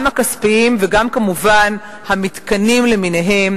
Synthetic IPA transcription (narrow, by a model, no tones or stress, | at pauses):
makaspiimveɡamkamuvan | hamit̪kanimlemine̞ɦe̞m